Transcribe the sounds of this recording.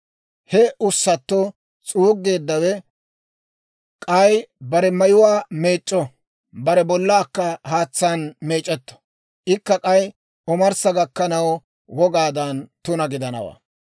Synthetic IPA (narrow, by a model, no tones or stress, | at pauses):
hɛʊsːɐt̪ːɔ | t͡sʼuːɡːe̞ːd̪ːɐwɛ | kʼɐjbɐɾɛmɐjʊwaːme̞ːt͡ʃʼːɔ | bɐɾɛbɔlːaːkːɐhaːt͡sːanme̞ːt͡ʃʼːɛt̪ːɔ̥ | ʔɪkːɐkʼɐj | ɔmɐɾsɐɡɐkːɐnɐw | wɔɡaːd̪ɐnt̪ʊnɐɡɪd̪ɐnɐ̰wa̰ː